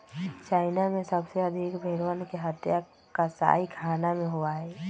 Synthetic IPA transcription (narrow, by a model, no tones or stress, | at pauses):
t͡ʃaːɪnamẽsəbseɐd̪ʱɪkbʱeːɾwənkeɦət̪ja | kasa̰ːikʰaːnamẽɦoaɦɛː